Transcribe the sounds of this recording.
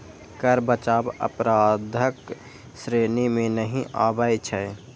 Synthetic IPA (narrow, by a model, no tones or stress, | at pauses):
kəɾbət͡ʃaːbə̰pɾaːd̪ʱək | sɾeːnimẽnəɦĩʔaːbəjt͡ʃʰə